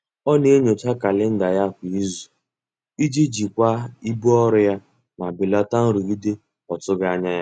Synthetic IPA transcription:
ɔ˦ne˦e˦ɲo˨t͡ʃa˦ka˨lɪ˦n̩˦da˨ja˦kʷi˨i˦zu˨ | i˦d͡ʒi˦d͡ʒi˨kʷa˦i˦bu˦ɔ˦ɾʊ˦ja˦ | ma˨bɪ˨la˦ta˦n̩˦ɾu˨ɡi˦de˦ | ɔ˨tʊ˦ɡa˦˨a˦ɲa˦ja˦

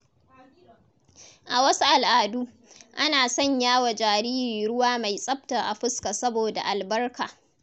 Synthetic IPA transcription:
ʔa˨wɐ˦su˦ʔa˨lʔaː˨duː˦ | ʔa˦naː˨sɐ˦˨ɲjaː˦wa˨d͡ʒaː˨ɾiː˦ɾiː˨ɽʊ˦waː˦ma˨jsʼɐ˦bta˨ʔa˨ɸɪ˦ska˨sɐ˦boː˨da̰˨ʔa˨lbɐ˦rkaː˨

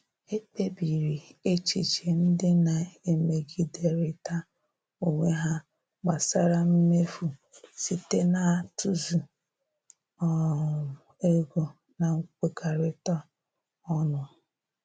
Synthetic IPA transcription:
e˦te˦bi˨ɾi˨e˦t͡ʃi˨t͡ʃe˨n̩˦dɪ˦na˨e˦˨me˨ɡi˦de˨ɾɪ˨ta˦ | o˨ŋʷe˦ɦa˦ | ɡ͡ba˨sa˦ɾa˦m̩˦me˦fu˨si˨te˦na˨a˨tu˦zu˨ | ɔ˨ | e˦ɡo˨ | na˨ŋ̩˦kʷe˨ka˨ɾɪ˦ta˦ | ɔ˦nʊ˨

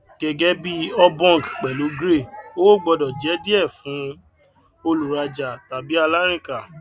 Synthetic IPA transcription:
ɡ̥ɛ˧ɡɛ˦bi˦ɔ˧bɔ̃˦˨kk͡pɛ˨lu˨˦ɡɾe˦˨o˦ɡ͡bɔ˧dɔ˨d͡ʒɛ˨˦di˦ɛ˦˨fũ˨˦ | o˧lu˨ɾa˧d͡ʒa˨ta˨bi˨˦a˧la˦ɾ̃ĩ˦˨ka˨

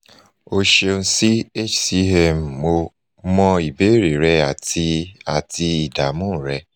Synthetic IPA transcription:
o˧ʃe˧n̩˧si˦e˦˨t͡ʃsi˦ɛ˧m˨mo˧ | mɔ̃˧i˨be˨˦ɾe˨ɾɛ˧a˦˨ti˧a˨ti˧i˨da˨mũ˦˨ɾɛ˧

